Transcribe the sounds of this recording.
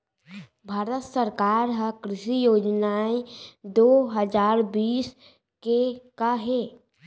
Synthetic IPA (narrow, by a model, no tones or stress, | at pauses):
bʱaːɾət̪səɾkaːɾɦakɾɪʃijoːd͡ʒnaːed̪oːɦəd͡ʒaːɾbiːs | kekaɦeː